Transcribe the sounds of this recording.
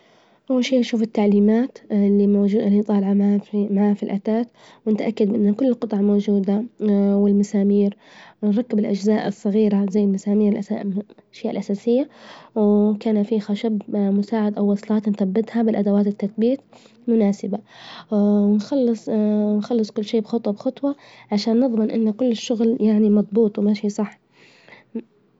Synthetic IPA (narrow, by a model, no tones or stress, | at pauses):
ʔawːalʃiːʔnʃuːfɪt̪ːaʕliːmaːt̪lːimoulint̪ˤɑːlʕamamaʕaːfilʔat̪aːt̪ | wɪnt̪ʔakːad̪̚bɪʔɪnːakʊlːlqɨt̪ˤɑʕmoːd͡ʒuːd̪awɪlmasaːmiːɾ | nɾˤɑkːɪbɪlʔad͡ʒzaːʔɨsˤːɑɣiːɾazajːɪlmasaːmiːɾɪlʔaaʃjaːʔɪlʔasaːsɪjːawkaːnafixaʃabmʊsaːʕad̪ʔawːɑsˤlɑːt̪nθabːɪt̪habɪlʔad̪awaːt̪ɪt̪ːaθbiːt̪̚ | mʊnaːsɪba | nxɑlːɨsˤnxɑlːɨsˤkʊlːʃiːbxɑt̪ˤwɑbxɑt̪ˤwɑ | ʕaʃaːnːɨðˤmɪnʔɪnːakʊlːɪʃːʊɣljaʕnimɑd̪ˤbuːt̪ˤwmaʃiːsˤɑħː